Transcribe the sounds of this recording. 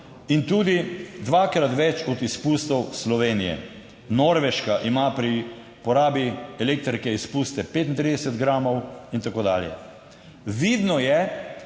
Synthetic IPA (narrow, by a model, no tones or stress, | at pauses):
int̪uːd̪id̪ʋakɾat̪ʋɛt͡ʃɔd̪ispust̪ɔwslɔʋeːnijɛ̰ | noɾʋɛʃkaʔimapɾi | pɔɾaːbiɛleːk̚t̪ɾikɛispuːst̪ɛpeːt̪nt̪ɾid̪ɛsɛd̪ɡɾaːmɔwint̪akoːd̪a̰ːljɛ̰ | ʋid̪nɔjɛ